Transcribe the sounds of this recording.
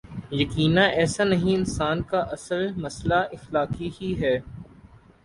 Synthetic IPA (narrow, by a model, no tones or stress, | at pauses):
jɐkiːnãʔɛːsanɐɦĩɪnsaːnkaʔɐsəlmɐslaʔɪxlaːkihiɦɛː